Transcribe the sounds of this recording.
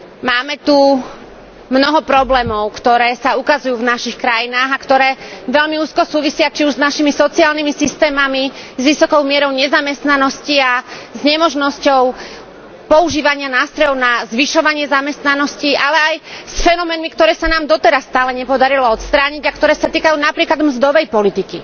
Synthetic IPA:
maːmɛt̪u | mnɔɦɔpɾɔblɛːmɔʊkt̪ɔɾɛːsaukazujuːvnaʃixkɾajinaːɣakt̪ɔɾɛːʋɛʎmiuːskɔsuːʋisɪat͡ʃiuʒznaʃimisɔt͡siaːlnimisist̪ɛːmamizʋisɔkɔʊmɪɛɾɔʊɲɛzamɛst̪nanɔsciazɲɛmɔʒnɔscɔʊ | pɔuʒiːʋaɲɪanaːst̪ɾɔjɔʊnazʋiʃɔʋaɲɪɛzamɛst̪nanɔscialɛajsfɛnɔmɛːnmikt̪ɔɾɛːsanaːmd̪ɔt̪ɛɾasːt̪aːlɛɲɛpɔd̪aɾilɔɔt̪st̪ɾaːɲiɟakt̪ɔɾɛːsat̪iːkajuːnapɾiːklad̪mzd̪ɔʋɛjpɔlit̪iki

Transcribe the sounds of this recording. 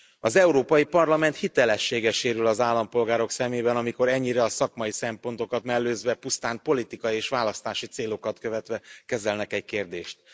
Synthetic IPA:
ɒzɛuɾoːpɒjipɒrlɒmɛnt̪hit̪ɛlɛʃːeːɡɛʃeːɾylɒzaːlːɒmpo̞lɡaːɾo̞ksɛmeːbɛnɒmiko̞ɾɛɲːiɾɛɒsɒkmɒjisɛmpo̞nt̪o̞kɒt̪mɛlːøːzʋɛpust̪aːnpo̞lit̪ikɒjieːʃʋaːlɒst̪aːʃit̪seːlo̞kɒt̪kø̞vɛt̪ʋɛkɛzɛlnɛkɛɟkeːrd̪eːʃt̪̚

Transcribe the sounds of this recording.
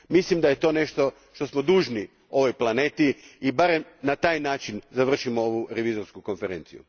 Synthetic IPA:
mislimd̪ajet̪o̞ːne̞ʃt̪o̞ | ʃt̪o̞smo̞d̪uːʒni | o̞ʋo̞jplˠane̞ːt̪iːbaɾemnat̪aːjnaːt͡ʃinzaʋr̩ʃimooʋuɾe̞ʋizo̞ɾskuko̞nfeɾent̪sḭjṵ

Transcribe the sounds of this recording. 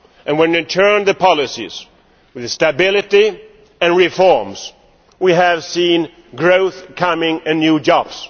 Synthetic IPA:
ʔɨ̃nwɨ̃nɨ̃tʰɜ̃˞nðɨpʰɑlˠɨsḭz̥ | wɨðstɨbɪlˠɨɾi | ɨ̃nɹɪfɔɹmz̥ | wiɨv̥sĩn | ɡɹoʊθkʰʌmɪ̃ŋɨ̃nːjʉd͡ʒɑb̥s

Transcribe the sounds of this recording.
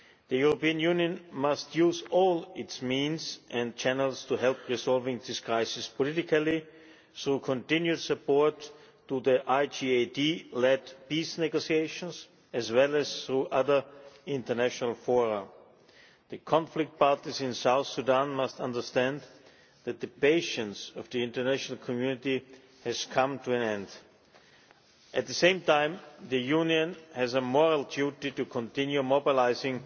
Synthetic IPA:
ðəjuɹopiɨ̃njũnjə̃nmʌstʰjuːzɔlˠɪtsmĩnzʔɛ̃n̚t͡ʃænəlˠstʰuɦɛlˠpɹisɔlˠvɪ̃ŋðɪskʰɹaɪsɪspɔlɪɾɪkəlˠi | θɹuːkʰɔ̃ntɪ̃njudsɨpɔɹtː | uðiʔaɪd͡ʒiedilɛdpisnɛɡosieɪʃə̃ns | ɛzwɛlˠɛz̥θɹuʔʌðə˞ɪ̃ntə˞næʃɔnəlˠfɔɹə̃m | ðɨkʰɑ̃nflɪk̚t̚pɑɹtizɪ̃nsaʊθsudæ̃nmʌstʌ̃ndə˞stæ̃nd̪ | ðæt̪̚ðɨpeɪʃə̃ntsʌvðiɪ̃ntə˞næʃnl̩ˠkʰɔmjʉnɪti | hɨz̥kʰʌ̃mtʰuæ̃nɛ̃nd | ʔɨt̪̚ðɨsẽɪ̃mtãɪ̃mðɨjũniɨ̃nhɨzəmɔɹəlˠdjutitukʰɔ̃ntɪ̃njumobɪlaɪzɪ̃ŋ

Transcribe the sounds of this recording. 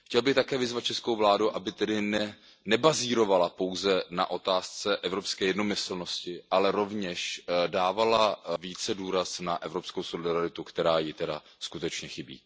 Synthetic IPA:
xcɛlbɪxt̪akɛːvɪzvat̪̚t͡ʃɛskowvlaːduʔabɪt̪ɛdɪnɛ | nɛbaziːɾo̞valapo̞wzɛna̰ʔo̞t̪aːst͡sɛʔɛvɾo̞pskɛːjɛdno̞mɪsl̩no̞scɪʔalɛɾo̞vɲɛʃdaːvalaviːt͡sɛduːɾasnaʔɛvɾopsko̞wsolɪdaɾɪt̪ukt̪ɛɾaːjɪt̪ɛda̰ | skut̪ɛt͡ʃɲɛxɪbḭː

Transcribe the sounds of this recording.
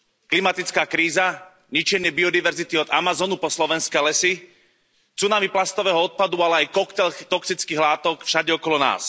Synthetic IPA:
klimat̪it͡skaːkɾiːza | ɲit͡ʃɛɲɪɛbiɔd̪iʋɛɾzit̪iɔd̪a̰mazɔːnupɔslɔʋɛnskɛːlɛsi | t͡sunamiplast̪ɔʋɛːɦɔɔt̪̚pad̪ualɛajkɔkt̪ɛlt̪ɔksit͡skiːɣlaːt̪ɔkfʃaɟɛɔkɔlɔna̰ːs

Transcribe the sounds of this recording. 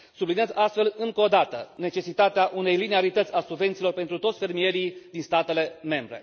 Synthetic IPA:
subliniazʲast̪fe̞lɨŋko̞d̪at̪əne̞t͡ʃe̞sit̪at̪eaʔune̞jlineaɾit̪ət̪sʲasuɡve̞nt̪silo̞rpent̪ɾut̪o̞t̪sʲfe̞rmije̞ɾid̪inst̪at̪e̞le̞me̞mbɾe̞̰

